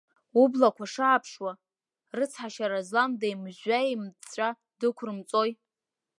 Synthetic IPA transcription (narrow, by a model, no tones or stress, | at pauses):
ublakʷʰaʂaːpʰʂwa | rɨt͡sʰħaʃaɾazlamdejmʒʷaimt͡sʷʼa | dɨkʷʰrɨmt͡sʼo̞j